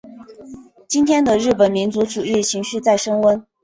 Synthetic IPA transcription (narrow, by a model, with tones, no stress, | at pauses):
t͡ɕi˥nt̪ʰjɛ˥nd̪ə˨ɻɻ̩˥˩pə˨˩nmi˧˥nt͡su˧˥ʈ͡ʂu˨˩ɻɻ̩i˥˩t͡ɕʰi˧˥ŋɕy˥˧t͡sa˥˩ɪʂɤ˥ŋwə˥n